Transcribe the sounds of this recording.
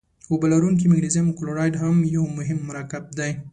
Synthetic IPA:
obalaɾuŋk̬imɪɡnizimkloɾɑjɖɦamjawmʊɦɪmːʊɾɑkɪb̚d̪aj

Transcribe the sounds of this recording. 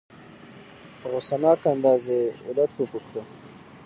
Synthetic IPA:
ɣʊsanɑːkand̪ɑːzeɪlat̪wupuxt̪ə

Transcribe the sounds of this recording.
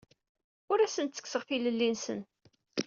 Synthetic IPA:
ʊɾæsənt̪t͡sːə̥kːsəʁfiləlːinsə̰n

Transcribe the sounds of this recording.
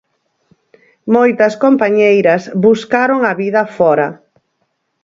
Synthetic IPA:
mojt̪ɐskompaɲejɾɐsβuskaɾoŋɐβiðɐfɔɾɐ

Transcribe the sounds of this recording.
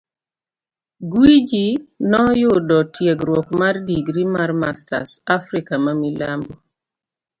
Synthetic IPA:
ɡwid͡ʒinɔjʊdɔtjeɡɾwɔkmardiɡɾimarmasta̰safɾikamamilambo

